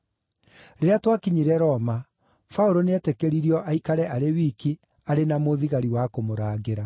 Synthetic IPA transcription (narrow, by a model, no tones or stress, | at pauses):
ɾeɾeatwakiɲiɾɛɾɔma | faoɾoneɛtekeɾiɾiɔʔaikaɾɛʔaɾewiki | aɾenamoðiɣaɾiwakomoɾaːɣeɾa